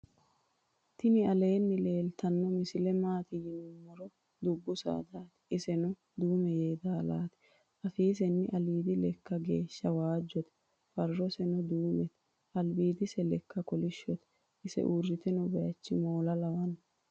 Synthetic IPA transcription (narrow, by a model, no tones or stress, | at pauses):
t̪ɪnɪɐle̞ːnːɪle̞ːlt̪ɐnːɔmɪsɪlɛmaːt̪ɪjɪnʊmːɔɾɔ | d̪ʊbːʊsa̰ːd̪aːt̪ɛ̥ɪsɛnʊ | d̪uːmɛjeːd̪aːlaːt̪ɪ̥ | ʔɐfiːs̬ɛnːɪʔɐliːd̪ɪlɛkːɐɡe̞̰ːʃːɐwaːd͡ʒːɔt̪ɛ̥ | fɐrːɔsɛnʊd̪uːmɛt̪ɛ̥ | ɐlbiːd̪ɪsɛlɛkːɐkɔlɪʃːɔt̪ɛ̥ | ʔɪsɛ̰ʔuːrːɪt̪ɛnʊbɛjɐt͡ʃːɪmo̞ːlɐlɐwɐnɐ